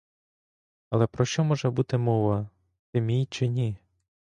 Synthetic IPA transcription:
ɐlˠɛpɾɔʃt͡ʃɔmɔʒɛbut̪ɪmɔʋɐ | t̪ɪmʲijt͡ʃɪnʲi

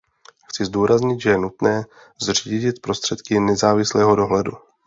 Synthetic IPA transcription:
xt͡sɪzduːɾazɲɪt̪ʒɛjɛnut̪nɛː | zr̝iːɟɪt̪pɾo̞st̪r̝̥ɛt̪kɪnɛzaːvɪslɛːɦo̞do̞ɦlɛdṵ

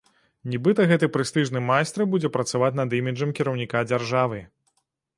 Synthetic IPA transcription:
nʲibɨt̪ɐɣɛt̪ɨpɾɨst̪ɨʐnɨmajst̪ɾɨbud͡zʲɛpɾɐt̪savat͡sʲnɐd̪imʲid͡ʐɐmkʲiɾɐwnʲikad͡zʲarʐavɨ

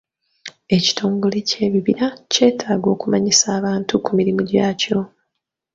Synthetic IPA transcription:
e̞ci̥tʰo̞ːŋɡo̞le̞ce̞ːβiβiɾace̞ːtʰaːɡo̞ːkumaɲisaːβaːntukumiɾimuɟaːco̞

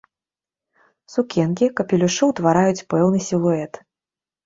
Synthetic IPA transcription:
sukʲɛnkʲikɐpʲilʲuʂɨwt̪vaɾajut͡sʲpɛwnɨsʲilˠuɛt̪

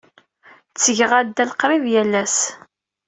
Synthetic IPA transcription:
t͡sːəʝʁæd̪ːælqɾˤivjælːæs

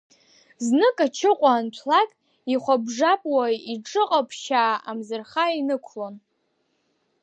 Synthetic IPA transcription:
znɨkʼat͡ʃʰɪqʷʼaːntʷʰlakʼ | iχʷabʐapʼwaiʈ͡ʂʼɨqʼapʰʃaːamzɨrχainɨkʷʰlon

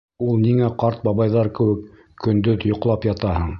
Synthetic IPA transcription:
ulˠniŋæqɑɾt̪̚bɑβɑjðɑɾkɘ̆wɘk | kɵ̆nd̪ɵðjŏqlˠɑpjɑt̪ɑɦɤɴ

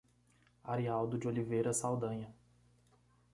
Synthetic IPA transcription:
aɾiawd̪ʊd͡ʒiolivejɾɐsawd̪ɐ̃ɲɐ

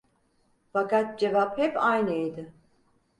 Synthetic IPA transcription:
fakat̪̚d͡ʒe̞vaphɛpajnɯid̪ɪ

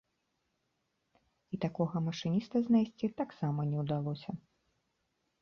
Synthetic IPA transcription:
it̪akɔɣɐmɐʂɨnʲist̪ɐznajsʲt͡sʲit̪aksamɐnʲɛwd̪alˠɔsʲɐ

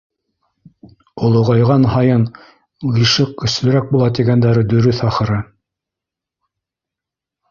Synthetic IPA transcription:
olˠŏʁɑjʁɑnɦɑjɤn | liʃɤqkɵ̆slɘ̆ɾæk̚bulˠɑt̪iɡænd̪æɾɘd̪ɵ̆ɾɵθɑχɤ̆ɾɤ

